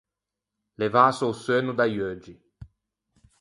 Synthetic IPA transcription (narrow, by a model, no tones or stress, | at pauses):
levaːsousøːnud̪ajøːd͡ʒi